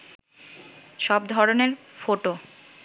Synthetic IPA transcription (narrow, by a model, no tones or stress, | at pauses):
ʃɔbd̪ʱɔɾoneɾfoʈo